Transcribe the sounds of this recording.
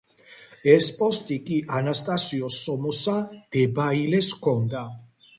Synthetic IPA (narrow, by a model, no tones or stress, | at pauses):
ɛspʼɔst̪ʼikʼiʔanast̪ʼasiɔsɔmɔsad̪ɛbailɛskʰɔnd̪a